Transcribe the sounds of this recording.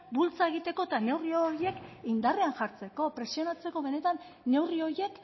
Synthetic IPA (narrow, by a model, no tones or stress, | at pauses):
bult͡sae̞ɣit̪e̞ko̞et̪ane̞wrioje̞kind̪areanʝaɾt͡se̞ko̞pɾe̞sio̞nat͡se̞ko̞βe̞ne̞t̪anː | e̞wrio̞ɾje̞k